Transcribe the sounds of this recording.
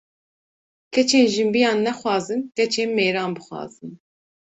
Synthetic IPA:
kʰɛt͡ʃʰeːnʒɨmbijɑːnːɛxwɑːzɨnkɛt͡ʃʰeːnmeːɾɑːnbɨxʷwɑ̰ːz̥ɨn

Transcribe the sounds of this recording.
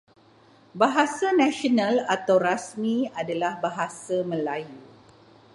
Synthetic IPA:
baɦasanãʃonãlat̪awrasmĩadalahbaɦasamə̃laju

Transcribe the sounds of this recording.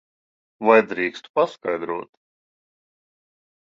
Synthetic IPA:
vajd̪ɾiːkst̪u̥paskajd̪ɾuɔt̪

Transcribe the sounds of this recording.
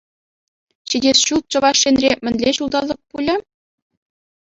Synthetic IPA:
ɕidʲesɕulˠt̪̚t͡ɕɤ̆ʋɑʂːenʲrʲemʲɘ̆nʲlʲeɕulˠd̪ɑlʲˠɤ̆k̚pulʲɘ̆

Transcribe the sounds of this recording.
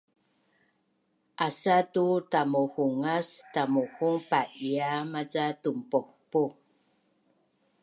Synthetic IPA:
ʔasatutamohuŋast̪amohuŋpaʔjamat͡satumpohpu

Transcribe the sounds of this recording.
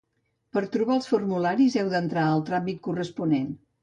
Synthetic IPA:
pəɾt̪ɾuβalˠsfurmulaɾizɛwðənt̪ɾaalˠt̪ɾambit̪̚kurəspunen

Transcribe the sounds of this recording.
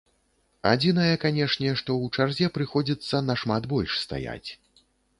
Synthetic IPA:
a̰d͡zʲinɐjɐkanʲɛʂnʲɛʂt̪ɔwt͡ʂarzʲɛpɾɨxɔd͡zʲit̪sːɐnɐʂmat̪bɔlʲʂst̪a̰ja̰t͡sʲ

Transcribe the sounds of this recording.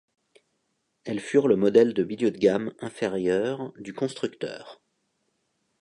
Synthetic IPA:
ɛlfyʁləmɔd̪ɛld̪əbid̪jɔt̪̚ɡʲamɛ̃feʁjœʁd̪ykɔ̃st̪χykt̪œ̰ːʁ

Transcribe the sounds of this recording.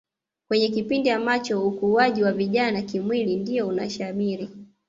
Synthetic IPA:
kwɛɲɛkipindiamat͡ʃɔukuaʄiwaviʄanakimwilindijɔuna̰ʃamiɾi

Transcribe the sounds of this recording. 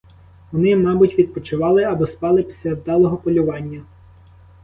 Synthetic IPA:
ʋɔnɪmɑbʊtʲʋʲid̪̚pɔt͡ʃɪʋɑlˠɪɐbɔspɑlˠɪpʲi̥sʲlʲad̪ɑlˠɔɦɔpɔlʲʊʋɑnʲːɐ

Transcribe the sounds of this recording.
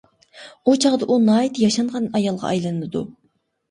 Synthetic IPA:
ut͡ʃʰɑʁd̪ɑʔunɑjt̪jɑʃɑnʁɑnɑjɑlˠʁɑ̰ʔɑjlˠɨnɨd̪ṵ

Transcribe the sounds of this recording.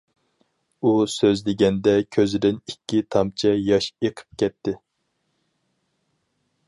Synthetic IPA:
usøzlɪɡʲɛnd̪ɛkʲʰøzɪd̪ɪnikʲːit̪ʰɑmt͡ʃʰɛjɑʃeqʰə̥p̚kʲʰɛt̪ʰːɪ

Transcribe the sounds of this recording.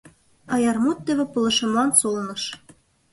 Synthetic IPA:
ɑjɑrmut̪̚ːɘ̆βʲĕpɤ̆lˠɤ̆ʃɤ̆mlˠɑnsolnɤ̆ʃ

